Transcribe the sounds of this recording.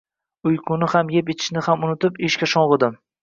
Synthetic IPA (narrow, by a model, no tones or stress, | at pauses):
ʊjqʰʊnɪhamjepet̪ʰɪ̥ʃnɪhamʊnɪt̪ɪpeʃkʲaʃɒɴʁɨd̪ɪm